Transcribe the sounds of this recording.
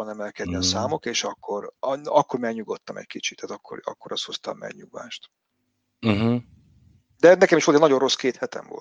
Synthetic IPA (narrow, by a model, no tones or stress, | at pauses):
ɒnɛmɛlkɛd̪niɒsaːmo̞keːʃɒkːo̞rɒkːo̞rmɛɡɲuɡo̞t̪ːɒmɛ̰ckit͡ʃit̪ʰːaːt̪ɒkːo̰rɒ̰kːo̞ɾɒst̪ho̞st̪ɒ̰mːɛ̰ɡɲuɡa̰ːʃt̪̩ | ɦ̩ | d̪ɛnɛkɛmiʃolt̪nɒɟo̞ro̞skeːt̪hɛt̪ɛ̰ɱvo̰l